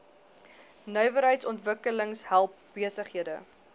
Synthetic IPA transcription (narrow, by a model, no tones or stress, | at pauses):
nœɥvəɾɦəjtsɔntvəkələŋsɦælˠp̚b̥iəsəχɦiədə̰